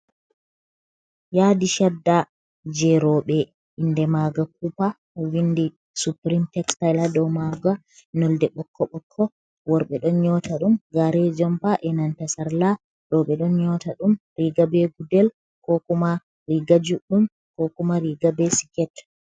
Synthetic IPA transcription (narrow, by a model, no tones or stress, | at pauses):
jaːdiʃadːa | d͡ʒɛɾɔɓɛ | ʔindɛmaɡak̚upa | windi | supɾimtɛkstajladɔmaɡa | nɔldɛɓɔkʰːɔɓɔkʰːɔ | wɔɾɓɛɗɔnɲɔtaɗumɡaɾɛd͡ʒɔmpaʔɛnantasaɾla | ɗɔɓɛɗɔnɲɔtaɗumɾiɡabɛɡudɛl | kɔkuma | ɾiɡad͡ʒuɗum | kɔkumaɾiɡabɛsi̥kɛt